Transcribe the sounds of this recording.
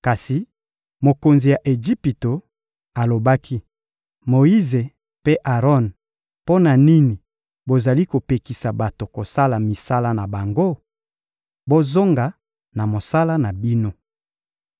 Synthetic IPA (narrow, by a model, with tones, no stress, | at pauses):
ka˨si˨ | mo˨ko˨nzi˨ja˨ʔe˨ʒi˦pi˨to˨ | a˨lo˨ba˦kʰi˦ | mo˨i˦ze˨ | pe˦ʔa˨ʁɔ˦n | po˦na˨ni˦ni˨ | bo˨za˨li˦ko˨pe˨ki˨sa˨ba˨to˨ko˨sa˦la˨mi˨sa˦la˦na˨ba˨ŋɡo˦ | bo˦zo˦ŋɡa˨ | na˨mo˨sa˦la˦na˨bi˦no˦